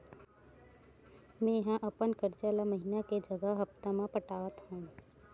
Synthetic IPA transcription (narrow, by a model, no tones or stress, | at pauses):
mɛ̃ːjɐɦãʔɐpənkəɾt͡ʃalamɐɦinaked͡ʒɐɡəɦɐft̪amãpəʈaːt̪ɦũ